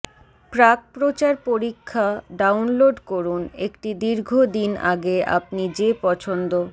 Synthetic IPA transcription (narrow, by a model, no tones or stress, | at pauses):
pɾaɡ̚pɾot͡ɕaɾpoɾikʰːaɖawnloɖkoɾunekʈid̪iɾɡʱod̪ina̰ɡeʔa̰p̚nid͡ʑepɔt͡ɕʰond̪o